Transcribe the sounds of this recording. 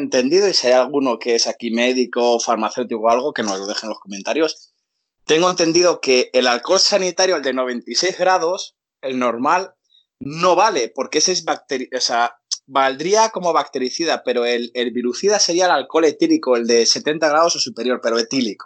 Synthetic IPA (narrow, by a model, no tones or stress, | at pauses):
ent̪e̞nd̪iðoisiajalɣ̞uno̞keesakime̞ðiko̞faɾmaθe̞wt̪ikoalɣ̞o̞ke̞no̞̰zloðe̞xenlosko̞me̞nt̪aɾjo̞s | t̪e̞ŋɡoe̞nt̪e̞nd̪iðo̞ke̞ːlalko̞lsanit̪aɾjoeld̪e̞no̞βe̞nt̪ise̞jzɣɾað̞o̞s | e̞lno̞ɾmal | no̞βale̞po̞ɾkesezβak̚t̪eɾiosea | bald̪ɾiako̞mo̞β̞ak̚t̪e̞ɾiθiðape̞ɾoe̞lelβiɾuθiðase̞ɾiaelalko̞le̞t̪ilikoe̞ld̪e̞se̞t̪e̞nt̪aɣɾaðo̞sosupe̞ɾjo̞ɾpe̞ɾoe̞t̪iliko